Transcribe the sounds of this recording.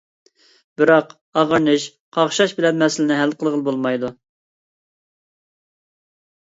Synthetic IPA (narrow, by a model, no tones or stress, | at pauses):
b̥ɪɾɑq | ɑʁəɾnɨʃ | qʰɑʁʃɑʃbɪlɛnmɛsɪlɪnɪɦælqʰəlˠʁəlˠbolˠmɑjd̪u